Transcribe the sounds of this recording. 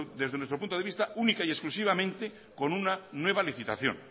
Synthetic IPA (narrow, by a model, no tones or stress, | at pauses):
d̪e̞zðenwet̪ɾopunt̪oeist̪aunikaie̞sklusiβ̞amẽ̞nt̪e | ko̞nunanwe̞β̞aliθit̪a̰θjo̰n